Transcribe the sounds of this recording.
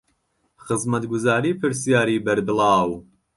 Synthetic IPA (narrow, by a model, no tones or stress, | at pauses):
xɨzmɐt̪ɡʊzaːɾiːpʰɨɾsijaːɾiːbɐɾbɨlɑːw